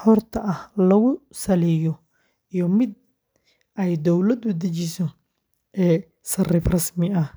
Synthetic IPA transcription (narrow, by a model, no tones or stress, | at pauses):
ħɔrt̪ʰɐʔɐhlɐɣʊsɐlɛjɔ | ijɔmɪd̪̚ | ɛjd̪ɔwlɐd̪ʊd̪ɐt͡ʃɪsɔ | ʔɛː | sɐrɪfrɐsmɪɐh